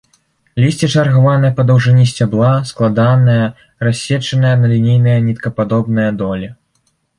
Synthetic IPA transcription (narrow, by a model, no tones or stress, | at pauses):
lʲisʲt͡sʲɛt͡ʂɐrɣavanɨjɐpɐd̪ɐwʐɨnʲisʲt͡sʲablˠasklˠad̪anɨjɐ | rasʲːɛt͡ʂɐnɨjɐnɐlʲinʲejnɐjɐnʲit̪kɐpad̪ɔbnɨjɐd̪ɔlʲi